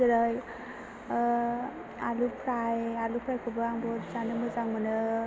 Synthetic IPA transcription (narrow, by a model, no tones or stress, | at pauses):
ɯɾaj | alupʰɾajalupʰɾajkʰɯbɯaŋbɔɾzanɯmɯzaŋmɯnɯ